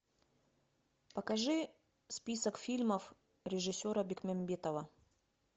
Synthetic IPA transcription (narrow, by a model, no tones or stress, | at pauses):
pəkɐʐɨ | spʲisəkfʲilʲməf | ɾʲɪʐɨsʲːoɾəbʲɪkmʲɛmʲbʲet̪əvə